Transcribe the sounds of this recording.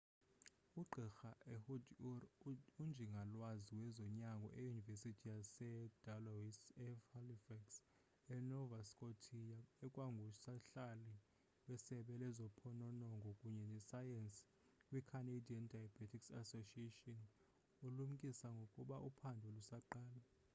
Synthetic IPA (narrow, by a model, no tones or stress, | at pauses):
uɡ͡ǃʱixaʔɛhud | und͡ʒʱiŋɡʱalwaziwɛzɔɲaŋɡʱɔ̰ʔɛjunivesitʰijasɛd̥alowisɛhalifaks | ɛnɔvaskʼotʰijaɛkʼwaŋɡʱusaɬali | wɛsɛɓɛlɛzɔpʰɔnɔnɔŋɡʱɔkʼuɲɛnɛsajɛns | wikʰanediandʱajabatʰiksa̰soʃietɔn | ulum̩kʼisaŋɡʱokʼuɓaʔupʰandʱulusaǃaːla